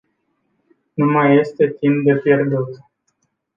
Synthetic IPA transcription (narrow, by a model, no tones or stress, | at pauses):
numaje̞st̪e̞t̪imp̚d̪e̞pje̞rd̪ut̪